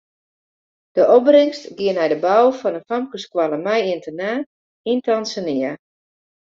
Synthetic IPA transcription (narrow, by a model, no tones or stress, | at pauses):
d̥əʔɔbrɪŋstɡɪənɦɛjdəbawfɔnənfamkəskwaləmɛjɪntənaː | intansənɪə